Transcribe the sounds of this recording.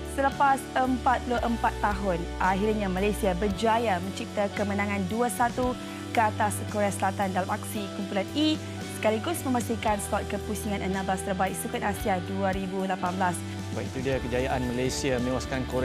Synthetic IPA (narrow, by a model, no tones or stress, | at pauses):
sələpasəmpat̪̚pluʔəmpat̪ːaɦʊnʔaɦirɲãmalajsiabərd͡ʒuajamə̃ɲt͡ʃip̚t̪akəmənãŋãnduəsat̪u | kəat̪askoɾeasəlat̪andalamaksikumpulani | sə̥kaliɡʊsmə̃mãst̪ikanskɔt̪̚kəpusiŋãnʔənãmblast̪ərbaik̚sukat̪asiaduəɾibulapanbəlas | bait̪udiakəd͡ʒajaʔanməlajsiamənewaskankoɾ